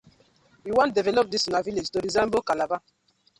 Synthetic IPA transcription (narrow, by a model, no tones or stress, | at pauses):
wiwãntdɛvɛlɔp̚disunaviled͡ʒtoɾizɛ̃mbokalava